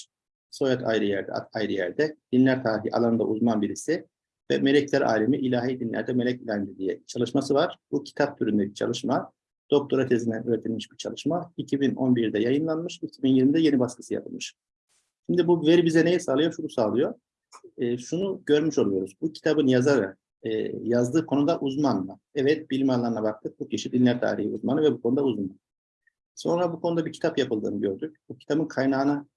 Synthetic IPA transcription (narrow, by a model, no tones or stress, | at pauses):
so̞jat̪ʰa̰jɾɯjæɾd̪ɛ̰t̪ajɾɯjæɾd̪ɛd̪̥inlʲæɾt̪ʰaːɾiɦḭʔa̰lˠanɯnd̪a̰ʔuzmanbiɾisi | vɛ̰me̞lʲɛclʲæɾʔa̰ːlʲimiʔilʲaːɦiːd̪inlʲæ̰ɾd̪ɛme̞lʲɛc̚lʲaːnʲmd̪id̪ijɛ̰t͡ʃʰalˠɯʃmasɯvaɾ̥bucʰi̥t̪ʰap̚t̪ʰyɾynd̪ɛci̥t͡ʃʰa̰lˠɯʃma | d̪̥o̞k̚t̪ʰoɾat͡ʃʰezind̪ænʔyɾet̪ʰilʲmiʃbiɾt͡ʃʰa̰lˠɯʃmaicʰibino̞̰nbiɾd̪ɛjajɯnlˠanmɯʃicʰibinjiɾmid̪ɛje̞nibaskɯ̥sɯja̰pʰɯ̰lˠmɯʃ | ʃimd̪ibuvɛɾibizɛne̞jɛsaːlˠɯjoʃunusaːlˠɯjo̞ː | ʃunuɟø̞ɾmyʃo̞lˠujo̞ɾuzbucʰi̥t̪ʰabɯnjaza̰ː | jazd̪ɯːkʰo̞nud̪aʔuzmanma | ɛvɛt̪̚bilʲimanlˠaɾnabak̚t̪ʰɯk̚bucʰiʃid̪inlʲæɾt̪ʰa̰ːɾḭhḭṵzmanɯvɛbukʰo̞nud̪auzman | so̞nɾabukʰo̞nud̪abicʰi̥t̪ʰapjapʰɯlˠd̪ɯ̰ːnɯɟøɾd̪yc̚bucʰi̥t̪ʰabɯnkʰajnaːɯna